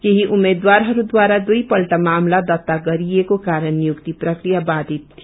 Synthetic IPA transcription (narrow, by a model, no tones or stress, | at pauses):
keɦiʔʊmeːd̪waːɾɦəɾud̪waːɾad̪uipəlʈamaːmlad̪ət̪ːaɡəɾiekokaːɾənjʊkt̪ipɾəkɾijabaːd̪it̪